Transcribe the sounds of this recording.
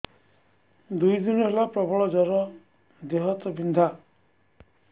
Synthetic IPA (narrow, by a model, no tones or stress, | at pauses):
d̪ujd̪inɔɦelapɾɔbɔɭɔd͡ʒɔɾɔ | d̪eɦɔt̪ɔbind̪ʱa